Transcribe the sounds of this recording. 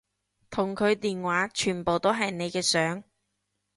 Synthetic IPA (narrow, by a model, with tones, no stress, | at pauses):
t̪ʰʊ˨˩ŋkʰɵ˨˧ɥt̪iː˨nwaː˨˥t͡ʃʰyː˨˩npo˨wt̪o˥ɦɐ˨jne˨˧jkɛː˧sœː˨˥ŋ